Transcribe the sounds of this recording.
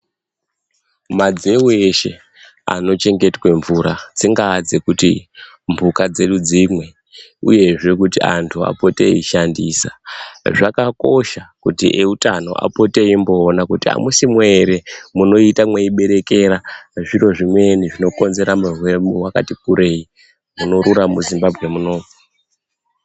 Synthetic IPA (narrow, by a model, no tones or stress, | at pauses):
mad͡ze̞weʃe̞ | a̰no̞t͡ʃe̞ŋɡe̞twe̞ɱvuɾad͡ziŋɡad͡zekuti | mbukad͡ze̞ɗud͡zimwe̞ | ṵje̞ʐe̞kutiantʰua̰po̞te̞̰iʃandiːsa̰ʐakako̞ʃakutiʔeutano̞̰ʔa̰po̞te̞imbo̞ːnakutia̰musimweeɾe̞muno̞itamweiɓe̞ɾe̞ke̞ɾaʐiro̞ʐimwe̞niʐino̞ko̞nze̞ɾamurwe̞muwakatik̚uɾʔe̞ːi | muno̞ɾuɾamuzimbabʱɣe̞muno̞ːmu